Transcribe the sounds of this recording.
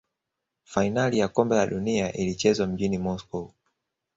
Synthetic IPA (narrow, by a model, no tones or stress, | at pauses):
fainalijakɔmbɛlaɗuniaʔilit͡ʃɛzwam̩ʄinimɔskɔ